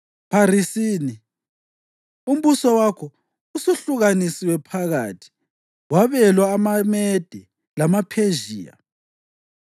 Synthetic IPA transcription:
pʰaɾisiːni | um̩βusɔwakʰɔ | usuɬuɣanisiwɛpʰaɣa̰ːtʰi̥ | waβɛlwaːmamɛd̥ʱɛ | lamapʰeʒiːja̰

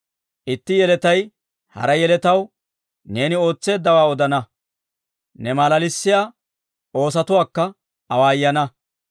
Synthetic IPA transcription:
ʔɪt̪ːɪjɛlɛt̪ɐj | hɐ̰ɾɐjɛlɛt̪ɐw | ne̞ːnɪo̞ːt͡sːe̞ːd̪ːɐwaːɔd̪ɐnɐ | nɛmaːlɐlɪsːɪjaː | o̞ːs̬ɐt̪ʊwaːkːɐ | ɐwaːjːɐnɐ

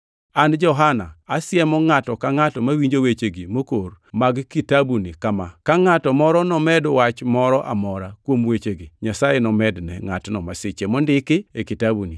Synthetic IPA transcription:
and͡ʒɔɦanaasjɛmɔŋatɔkaŋatɔmawiɲd͡ʒowet͡ʃeɡimokormaɡkitabunikamakaŋatɔmɔɾɔnɔmɛdwat͡ʃmɔɾɔʔa̰mɔɾakwomwet͡ʃeɡiɲasajɛnɔmɛdnɛ̰ŋatnɔmaset͡ʃemɔndɪkɪekitabuni

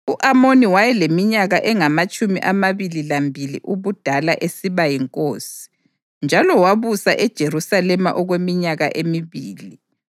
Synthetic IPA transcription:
uʔamoniwajɛlemiɲaɣaʔɛŋamat͡ʃʼumiʔamaβililambʱilḭʔuβud̥ʱalaʔesiβajiŋkʼoːsi̥ | nd͡ʒʱalɔwaβusa̰ʔɛd̥ʒ̥ʱeɾusalɛma̰ʔɔɣwemiɲaɣa̰ʔemiβiːli

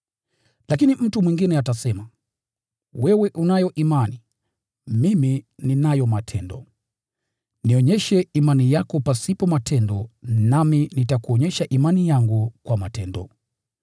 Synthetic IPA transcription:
lakinim̩tumwiŋɡinɛatasɛma | wɛwɛʔunajɔʔimani | mimininajɔmatʰɛndɔ | niɔɲɛʃɛimanijakɔpasipɔmatʰɛndɔnaminitakuɔɲɛʃaʔimanijaŋɡukwamatɛndɔ̰

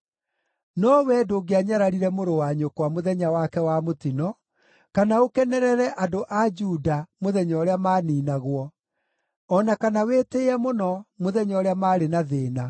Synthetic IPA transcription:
nɔwɛdoɡeaɲaɾaɾiɾɛmoɾowaɲokwamoðɛɲawakɛwamotinɔ | kanaokɛnɛɾɛɾɛʔadoʔad͡ʒuːdamoðɛɲɔɾeamaːniːnaɣwɔ | ɔnakanaweteɛmonɔmoðɛɲɔːɾeamaːɾenaðeːna

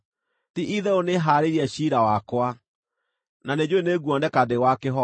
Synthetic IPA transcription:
tiʔiðɛoneɦaːɾeɾiɛɕiɾawakwa | naned͡ʑweneɡuɔndɛkadewakeɦɔ

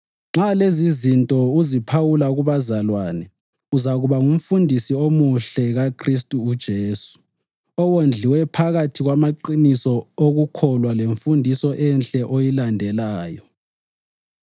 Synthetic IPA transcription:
ŋ͡ǁalezizintʼɔuzipʰawulaɣuβazalwaːnɛ | uzaɣuβaŋum̩fundʱisiomuɬɛɣakʰristʼuːd̥ʒ̥ʱeːsu̥ | ɔwond͡ɮʱiwɛpʰaɣatʰiɣwamaǃinisɔoɣukʰɔlwaleɱfundʱisɔʔɛnɬʼɛʔojilandʱɛlaːjɔ

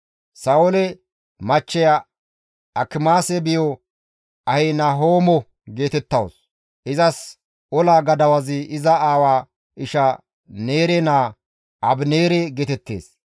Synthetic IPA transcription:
sɐwʊlɛ | mɐt͡ʃːɛjɐ | ɐkɪmaːsɛbɪjɔ | ʔɐhenaɦoːmɔ | ɡe̞ːt̪ɛt̪ːɐwo̰s | ʔɪzɐs | ɔlaːɡɐd̪ɐwɐzɪɪzɐaːwaː | ʔɪʃɐ | ne̞ːɾɛnaː | ʔɐbneːɾɛɡeːt̪ɛt̪ːḛːs

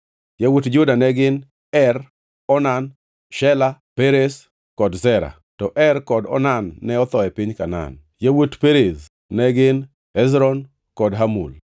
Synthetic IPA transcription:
jawutd͡ʒʊdanɛɡɪn | ɛr | ɔnan | ʃɛlapeɾes | kɔdzɛɾa̰ | tɔʔɛrkɔdɔ̰nanːɛɔt̪ɔɛpɪɲkana̰n | jawutpeɾes | nɛɡɪn | ɛzɾɔn | kɔdɦamṵl

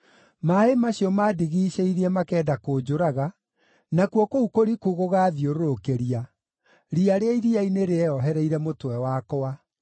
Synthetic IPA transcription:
maemaɕiɔmaːdiɣiːɕeiɾiɛmakɛːdakoːd͡ʑoɾaɣa | nakuɔkoukoɾikuɣoɣaːðjoɾoɾokeɾia | ɾiaɾeaiɾiaineɾeɛɔɦɛɾɛiɾɛmotwɛwaːkɔa

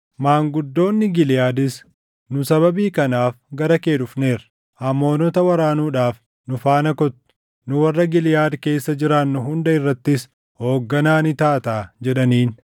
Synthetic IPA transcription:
maːŋɡʊd̪ːo̞ːnːɪɡɪlɪjaːd̪ɪs | nʊsɐβɐbiːkɐnaːfɡɐɾɐke̞ːᶑʊfne̞ːɾɐ | hɐmːo̞ːnɔt̪ɐwɐɾaːnuːᶑaːf | nʊfaːnɐkɔt̪ːʊ̥ | nʊwɐrːɐɡɪljaːd̪ke̞ːsːɐd͡ʒɪɾaːnːʊɦʊnd̪ɐɪrːɐt̪ːɪs | ho̞ːɡːɐnaːnɪt̪aːt̪aːd͡ʒɛᶑɐniːn

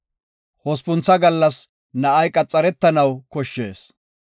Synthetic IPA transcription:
hɔspʊnt͡sːɐɡɐlːɐs | nɐʔɐjkʼɐt͡sʼːɐɾɛt̪ːɐnɐwkɔʃːe̞ːs

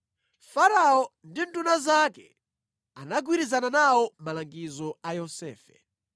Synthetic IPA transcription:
faɾaɔndintunazakɛ | anaɡwiɾizananawɔmalaŋɡizɔajɔsɛ̰ːfɛ

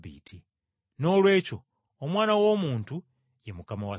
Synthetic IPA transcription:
βḭːtʰi | no̞lwe̞ːco̞ː | mwaːnawo̞ːmuːntu | jemukamawa

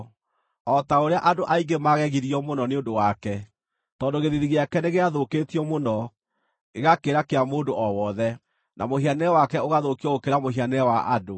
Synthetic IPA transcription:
ɔtaoɾeaʔadoʔaiɡemaɣɛɣiɾiɔmonɔneondowakɛ | tɔːndoɣeðiðiɣeakɛneɣeaðoketiɔmonɔ | eɣakeɾakeamoːndoʔɔwɔðɛ | namohianɛwakɛoɣaðokiɔɣokeɾamohɦianɛɛwaʔa̰do

